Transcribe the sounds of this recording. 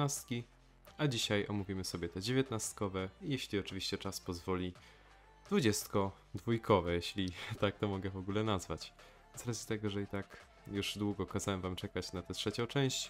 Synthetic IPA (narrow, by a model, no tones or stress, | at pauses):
nast̪̚kʲi | ad͡ʑiɕajɔ̰muvʲimɘsɔbʲɛt̪ɛd͡ʑevʲjet̪nast̪kɔvɛijeɕlʲiɔt͡ʂɘvʲiɕt͡ɕɛt͡ʂaspɔzvɔlʲi | d̪vud͡ʑɛst̪kɔ | d̪vujkʰɔvɛjeɕlʲit̪ak̚t̪ɔmɔɡɛvɔɡulɛnazvat͡ɕ | zɾazʲit̪ɛɡɔʐɛit̪ak | juʐd̪wuɡɔkazawɛmvamt͡ʂɛkat͡ɕnat̪ɛtʂɛt͡ɕɔ̃w̃t͡ʂɛ̃w̃ɕt͡ɕ